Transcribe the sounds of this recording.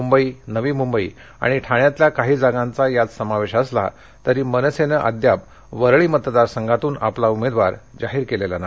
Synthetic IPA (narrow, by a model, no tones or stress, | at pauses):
umbəiːnəʋiːmumbəḭː | a̰ɽ̃iʈʰaɳjat̪ljakaɦiːd͡zaɡãnt͡sajat͡ssəmaʋeɕəsla̰ | t̪əɾiːmənəsenəʔa̰d̪jap̚ | ʋəɾɭiːmət̪d̪aɾsəŋɡʱat̪uːnʔaplaumed̪ʋaɾd͡zaɦiːɾkelelana